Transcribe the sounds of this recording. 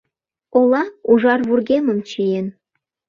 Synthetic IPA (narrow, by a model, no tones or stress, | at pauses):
olˠɑuʒɑrβurɣʲemə̆mt͡ɕijen